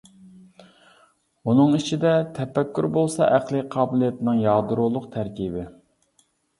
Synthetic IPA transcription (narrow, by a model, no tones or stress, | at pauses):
unɨŋit͡ʃʰid̪ɛt̪ʰɛfɛkʲːyɾbolˠsɑ̰ʔæqlˠɨqʰɑːbɪlˠijɛt̪ʰɪnɪŋjɑːd̪uɾʊlˠʊqt̪ʰæɾkʲibɪ